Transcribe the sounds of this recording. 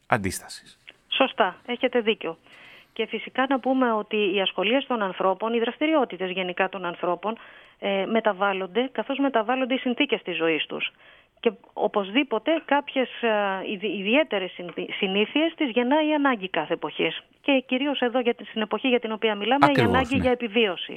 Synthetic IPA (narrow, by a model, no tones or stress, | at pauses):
ɐ̰nd̪ist̪ɐ̥si̥s | so̞st̪ɐe̞çe̞t̪e̞ðiceo̞ce̞fisikɐnɐpume̞o̞t̪iːɐsxo̞lie̞st̪o̞nɐnθɾo̞po̞niðɾɐst̪iɾio̞t̪it̪e̞zʝe̞nikɐt̪o̞nɐnθɾo̞po̞n | eme̞t̪ɐvɐlo̞nd̪e̞kɐθo̞zme̞t̪ɐvɐlo̞nd̪eisinθice̞st̪izːo̞ist̪ṵs | ce̞o̰po̞zðipo̞t̪e̞kɐpçe̞sː | ðie̞t̪e̞ɾe̞ssiniθie̞st̪izʝe̞nɐiɐnɐɲɟikɐθe̞ːpo̞çes | ce̞ciɾio̞se̞ðo̞ʝɐst̪ine̞po̞çiʝɐt̪ino̞piɐmilɐmeiɐnɐɲɟiʝɐe̞pivio̞sḭ